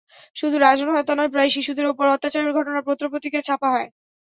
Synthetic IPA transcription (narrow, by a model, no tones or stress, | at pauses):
ʃud̪ʱuɾad͡ʑonɦɔet̪ɔnaepɾajʃiʃud̪eɾupoɾɔt̪ːat͡ɕaɾeɾɡʱɔʈonaɾpɾot̪ːɾopot̪iket͡ɕʰapaɦɔe